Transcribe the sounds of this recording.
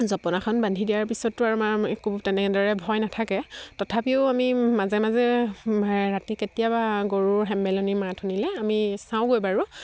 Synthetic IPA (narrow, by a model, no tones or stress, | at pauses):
zɔpɔnakʰɔnbandʱidijaɹpisɔtːuaɹumaɛkubtɛnɛkɛdɔɹɛbʱɔjnatʰakɛtɔtʰapiʊamimazɛmazɛ | ɹatiketijabaɡoɹuɹɦɛmbɛlɔnimatʰunilɛamisãʊ̃ɡojbaɹu